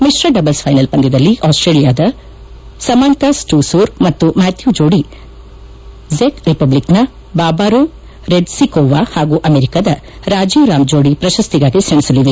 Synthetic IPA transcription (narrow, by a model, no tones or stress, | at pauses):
misɾɐɖɐbɐlspʰɐjnɐlpɐnd̪id̪ɐlːiʔaːsʈɾeːlijaːd̪ɐ | sɐmaːnt̪asʈuːsuːɾmɐt̪ːumaːt̪ʰjud͡ʒoːɽi | zekɾipɐbliknɐ | baːbaːɾo | ɾeɖsikoːʋaːhaːɡuːʔɐmeːɾikad̪ɐ | ɾaːd͡ʒiːʋɾaːmd͡ʒoːɽipɾɐʃɐst̪iɡaːɡisɐɳisɐlːid̪e